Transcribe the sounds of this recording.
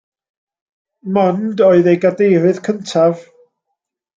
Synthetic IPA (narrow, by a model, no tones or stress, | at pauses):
mɔndɔɨðejɡadejrɨðkʰəntʰav̥